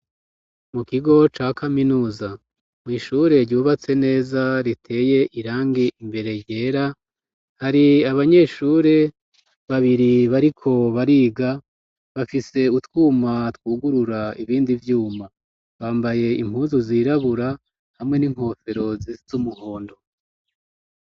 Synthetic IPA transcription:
mukiɡo̞t͡ʃaːkaminuːza | mwiːʃuɾe̞ɾɟuːβat͡se̞ne̞ːzaɾitʰe̞ːje̞ʔiɾaːŋɡiimbe̞ɾe̞je̞ːɾa | haɾiaβaɲe̞ːʃuːɾe̞ | βaβiɾiβaɾikʰo̞βaɾiːɡa | βafise̞utwuːmatwuːɡuɾuɾaiβiːndivjuːma | βaːmbaje̞imhuːnzuziːɾaβuɾa | hamŋe̞niŋho̞ːfe̞ɾo̞ziz̥umuho̞ːndo̞

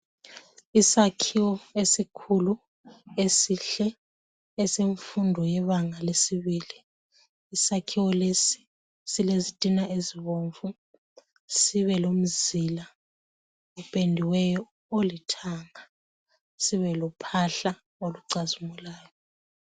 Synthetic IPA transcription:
isakʰiwɔesikʰulu | esiɬɛ | ɛseɱfundʱɔjɛβaŋalesiβiːliː | sakʰiwɔlesi̥ | silezitʼinaʔeziβoɱfu | siβɛlom̩zila | upʼendʱiwɛjɔ | olitʰaːŋa | siβɛlɔpʰaɬa | oluǀazumulaːjɔ

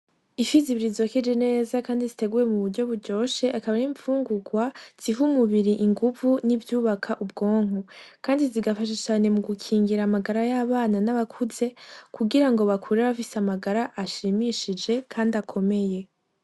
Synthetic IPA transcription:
ifiziβiɾizokid͡ʒene̞ːzakaːndizite̞ɡuje̞muβuɾɟo̞βuɾɟo̞ːʃe̞ʔakaβaniːɱfuːŋɡuɡwaz̥ivumuβiɾiʔiŋɡuvunivjuːβakʰaʔub̚ɡo̞ːŋ̥ukaːndiziɡafaʃ̬et͡ʃaːne̞muɡukʰiːŋɡiɾamaɡaɾajaβaːnanaβakʰuze̞kʰuɡiɾaŋɡo̞βakʰuɾeβafiseamaɡaɾaʔːʃiːmiʃid͡ʒe̞kʰaːndiakʰo̞me̞je̞

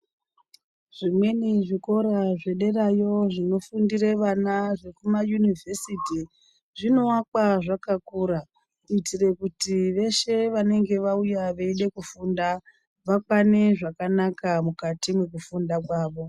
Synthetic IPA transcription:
ʐ̥imwe̞niʐiko̞ɾaʐe̞ɗe̞rajo̞ʐino̞fundireʋanaʐe̞kumajunivʱe̞siti | ʐino̞wak̚aʐakakuːɾa | kuitire̞kutiʋe̞ʃe̞ʋane̞ŋɡe̞ʋaujaʋeiɗe̞kufunda | ʋakwane̞ʐakanakamukatimwe̞k̬ufundakwaːʋo̞

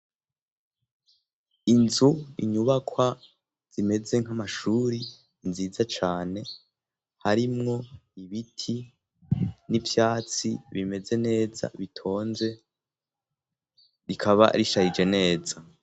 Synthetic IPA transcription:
inzuiɲuβakwa | z̥ime̞ze̞ŋ̥hamaʃuːɾiː | nziːzat͡ʃaːne̞ | haɾimŋo̞iβitʰi | nivjaːt͡siβime̞ze̞ne̞ːza̰βitʰo̞ːnze̞ | ɾikʰaβa̰ɾiʃahid͡ʒe̞ne̞ːza

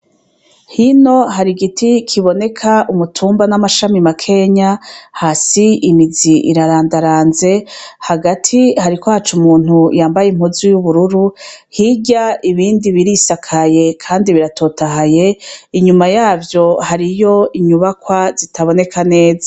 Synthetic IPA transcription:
hino̞ɦaɾiɡitʰikʰiβo̞ne̞kʰaumutʰuːmbanamaʃamimakʰe̞ɲahasiimiziʔḭɾaɾaːndaɾaːnze̞haɡatʰihaɾikohat͡ʃumuːn̥hujaːmbajem̥huzujuβuɾuɾuhiɟaiβiːndiβiɾisakʰaje̞kʰaːndiβiɾatʰo̞ːtaɦaje̞iɲumajaːbjo̞haɾijo̞iɲuβakwazitʰaβo̞ne̞kʰane̞ːza

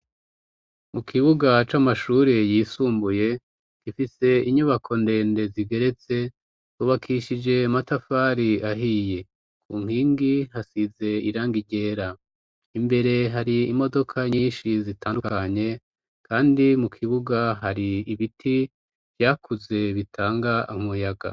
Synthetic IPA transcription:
mukʰiβuɡat͡ʃamaʃuɾejiːsuːmbuje̞ | kifise̞iɲuβakʰo̞nde̞ːnde̞ziɡe̞ɾe̞t͡se̞ | uβakʰiʃid͡ʒe̞matafaːɾiaɦije̞ | kʰuːŋhiːŋɡihasize̞iɾaːŋɡiɟe̞ːɾa | imbe̞ɾe̞ɦaɾiːmo̞do̞kʰaɲiːnʃizitaːndukaɲe̞ | kʰaːndimukʰiβuɡaɦaɾiːβitʰi | v̥jaːkʰuze̞βitʰaːŋɡaamujaɡa̰

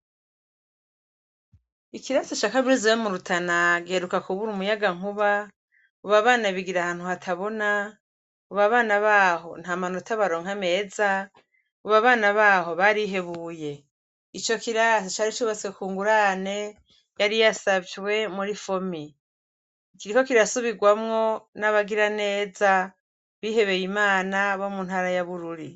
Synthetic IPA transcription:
ikiɾasot͡ʃakaβiɾizejomuɾutʰanaɡieɾukakuβuɾumujaɡaŋ̥uβa | uβaβaːnaβiɡiɾahaːn̥huhatʰaβo̞na | uβaβaːnaβaːɦo̞n̥hamanotʰaβaɾo̞ːŋ̥ame̞ːza | uβaβaːnaβaːɦo̞βaɾiɦe̞βuːje̞ | it͡ʃo̞kiɾast͡ʃaːɾit͡ʃuβat͡sekuːŋɡuɾane̞ | jaɾijasavjwe̞muɾifo̞mi | kiɾiko̞kiɾasuβiɡwamŋo̞naβaɡiɾane̞ːza | βiːɦe̞βe̞jimaːnaβo̞munhaːɾajaβuɾuɾi

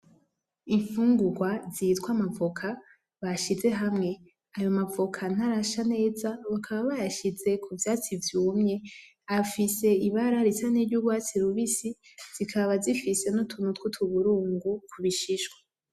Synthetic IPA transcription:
iɱfuːŋɡuɡwazitwamavokʰa | βaʃize̞ɦamŋe̞ | ajo̞mavokʰan̥aɾaʃane̞ːzaβakʰaβaβajaʃize̞kʰuvjaːt͡sivjuːmɲe̞ | afise̞iβaɾaɾisaneɾɟuɡwaːt͡siɾuβisiz̥ikʰaβazifise̞nutʰunutkutʰuβuɾuːŋɡukʰuβiʃiʃɡwa

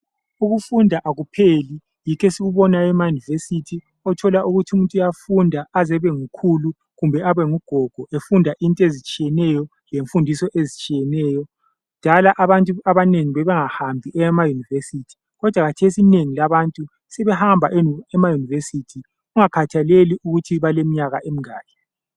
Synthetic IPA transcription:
uɣufundʱaʔaɣupʰeli | jikʰɛsiɣuβɔnaɛmajunivesitʰi | ɔtʰɔlaʔuɣutʰiumuntʼujafundʱaazɛβɛŋukʰulu | ɣumbʱɛaβɛŋuɡ̥ʱɔɡ̥ʱɔʔefundʱaʔintʼezit͡ʃʼiɛnɛjɔ | leɱfundʱisɔʔezit͡ʃʼijɛnɛːjɔ | ud̥ʱalaʔaβantʼuaβaneŋiβɛβɛŋahambʱiʔɛmajunivesiːtʰi̥ | ɣɔd̥ʱwakatʰesineŋilaβantʼu | sɛβɛhambʱaʔɛmajunivesitʰi | ɣuŋakʰatʰaleliuɣutʰiβalemiɲaɣaʔem̩ŋaːlɛ

